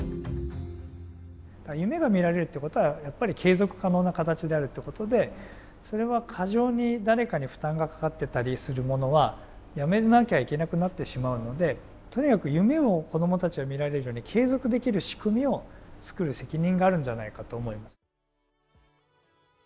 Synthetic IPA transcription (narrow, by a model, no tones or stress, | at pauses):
d̪̥ajɯ̟me̞ɡamʲiɾaɾe̞ɾɯ̟t̪ːeko̞t̪o̞βajapːaɾʲikʰe̞ːzo̞kɯ̟̥kano̞ːnakat̪at͡ɕid̪e̞aɾɯ̟t̪ːeko̞t̪o̞d̪e̞ | so̞ɾe̞βakʰaʑo̞ːɲ̟id̪aɾe̞kaɲ̟iɸɯ̟̥t̪ãŋɡakḁkat̪ːe̞t̪aɾʲisɨɾɯ̟mo̞no̞βa | jame̞nakʲeaike̞nakɯ̟nat̪ːe̞ɕimaɯ̟no̞d̪e̞ | t̪o̞ɲ̟ikakɯ̟jɯ̟me̞o̞ko̞d̪o̞mo̞t̪at͡ɕiɡamʲiɾaɾe̞ɾɯ̟jo̞ːɲ̟ikʰe̞ːzo̞kɯ̟d̪e̞kʲiɾɯ̟ɕi̥kɯ̟mʲio̞t͡sɨ̥kɯ̟ɾɯ̟se̞kʲiɲ̟ĩŋɡaːɾɯ̟̃ɲ̟d͡ʑanaikat̪o̞ːmo̞imasɨ̥